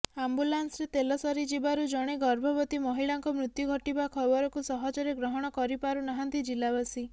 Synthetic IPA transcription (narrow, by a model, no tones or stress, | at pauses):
ambulansɾet̪elɔsɔɾid͡ʒibaɾud͡ʒɔɽ̃eɡɔɾbʱɔbɔt̪imɔɦiɭaŋkɔmɾut̪juɡʱɔʈibakʰɔbɔɾɔkusɔɦɔd͡ʒɔɾeɡɾɔɦɔɽ̃ɔkɔɾipaɾunaɦant̪id͡ʒilabasi